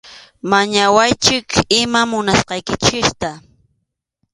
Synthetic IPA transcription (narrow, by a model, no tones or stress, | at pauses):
maɲawajt͡ʃɪkʰɪmamʊnasqɑjkɪt͡ʃɪst̪a